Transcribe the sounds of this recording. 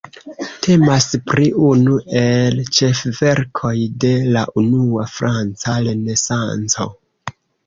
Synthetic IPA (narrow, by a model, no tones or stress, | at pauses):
tʰe̞maspɾiʔunue̞lt͡ʃe̞fve̞ɾkʰo̞jde̞laʔunuafɾant͡saɾe̞ne̞sa̰nt͡so̰